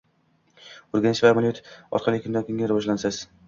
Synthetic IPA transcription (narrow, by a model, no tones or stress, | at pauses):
oɾɡʲanɪʃvamɪlʲjut̪ɒ̰ɾqʰɑlˠɪkʰnd̪akʰʲɪŋɡʲaɾvɒʒlansaz̥